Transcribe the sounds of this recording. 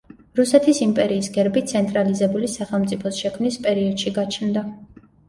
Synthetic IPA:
ɾusɛt̪ʰisimpʼɛɾiːsɡɛɾbit̪sʰɛnt̪ʼɾalizɛbulisaχɛlˠmt̪sʼipʰɔsʃɛkʰmnispʼɛɾiɔd̪̥ʃiɡat͡ʃʰnd̪a

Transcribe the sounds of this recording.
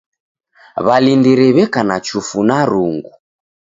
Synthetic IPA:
βalindiɾɛβɛkanat͡ʃufunaɾuŋɡu

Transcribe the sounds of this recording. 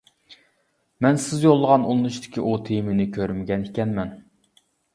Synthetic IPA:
mɛnsɪzjolˠːəʁɑnulˠnut͡ʃt̪ɪ̥kʲiʔut̪ʰejmɪnɪkʲʰøɾmɪɡʲɛnikʲɛnmɛn

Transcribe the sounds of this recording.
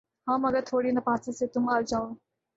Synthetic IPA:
hãmɐɡəɾt̪ʰoːɽiːnɐpãt͡səset̪umald͡ʑão

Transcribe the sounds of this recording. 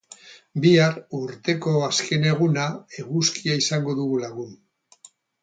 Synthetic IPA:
biaɾuɾt̪e̞ko̞aske̞ne̞ɣ̞unae̞ɣuskiaisaŋɡo̞ðuɣulaɣun

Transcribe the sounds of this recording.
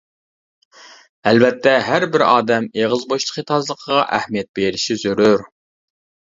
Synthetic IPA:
ælvɛt̪ʰːɛɦæɾbɪɾɑ̰ːd̪ɛmeʁəzboʃt̪ʰˠə̥qit̪ʰɑzlˠəqʰəʁɑʔæhmijɛt̪̚beɾɪʃizøɾyɾ

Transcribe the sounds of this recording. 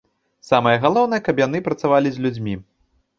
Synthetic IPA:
samɐjɐɣalˠɔwnɐjɐkɐbjan̪ɨpɾɐt̪savalʲizʲlʲud͡zʲmʲi

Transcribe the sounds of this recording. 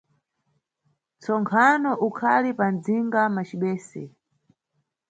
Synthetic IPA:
t͡sɔŋkʰanɔʔukʰalipand͡ziŋɡamat͡ʃiɓɛːsɛ̰

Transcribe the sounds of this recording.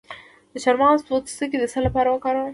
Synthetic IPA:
d̪̥əʃaɾmɑst̪ot̪səked̪əsalapɑɾawəkɑɾa

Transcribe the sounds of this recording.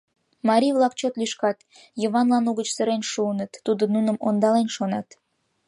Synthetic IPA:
mɑɾʲiβlɑkt͡ɕot̪lyʃkɑt̪ | joβɑnlɑnuɣət͡ɕsəɾenʃuənət̪ːud̪onunəmond̪ɑlenʃonɑt̪

